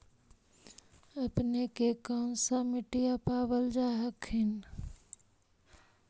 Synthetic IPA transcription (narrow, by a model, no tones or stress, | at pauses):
ɐpnekekɔːnsamɪʈijapaːʋəld͡ʒaːɦəkɦɪn